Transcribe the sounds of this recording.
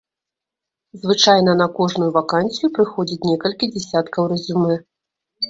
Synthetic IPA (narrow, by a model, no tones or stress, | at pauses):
zvɨt͡ʂajnɐnɐkɔʐnujuvakanʲsʲijupɾɨxɔd͡zʲit͡sʲnʲɛkɐlʲkʲid͡zʲɛsʲat̪kɐwɾɛzʲumɛ